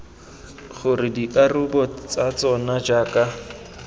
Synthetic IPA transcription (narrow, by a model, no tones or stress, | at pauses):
χʊrɪdiʔarʊbɔt͡sat͡sɔnad͡ʒaːka